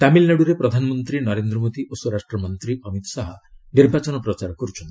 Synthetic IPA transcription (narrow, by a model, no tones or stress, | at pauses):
t̪amilneɽuɾepɾɔd̪ʱanɔmɔnt̪ɾinɔɾend̪ɾɔmod̪iʔosuoɾaʃʈɾɔmɔnt̪ɾiɔmit̪ɔ̥saɦɔniɾbʱat͡ʃɔnɔpɾɔt͡ʃaɾɔkɔɾut͡ʃʰɔnt̪i